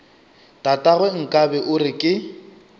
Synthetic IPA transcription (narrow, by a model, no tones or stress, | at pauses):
tʼatʼaɣwɛŋ̩kʼabɛʔʊrɪkʼɪ